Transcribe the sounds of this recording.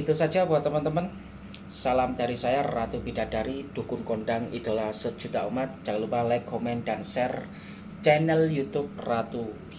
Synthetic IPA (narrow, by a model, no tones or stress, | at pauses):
it̪usad̥d͡ʒabuat̪əmənt̪əmən | salamd̥aɾisajarat̪ubida̤daɾid̪̥ṳkʊnkoɳɖaŋḭd̥alahsə̥d͡ʒ̥ṳt̪aumat̪̚d͡ʒ̥akalupalɛkomɛndansɛr | t͡ʃɛnɛljut̪up̚rat̪ub